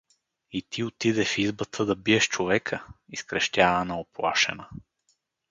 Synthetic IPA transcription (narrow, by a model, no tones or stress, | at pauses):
it̪ʰiot̪id̪ɛfizbət̪ʰəd̪ɐbiɛʃt͡ʃovɛkʰəiskɾɛʃt̪ʲavənɐoplˠa̰ʃɛ̰nə